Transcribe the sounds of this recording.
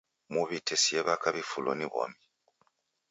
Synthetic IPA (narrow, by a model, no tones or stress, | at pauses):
muβitʰɛsiɛβakaβifulɔ̰niβɔ̰mi